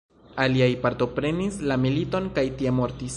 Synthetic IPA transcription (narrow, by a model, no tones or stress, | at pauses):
aliajpaɾt̪o̞pɾe̞nislamilito̞nkajtiemo̞ɾtis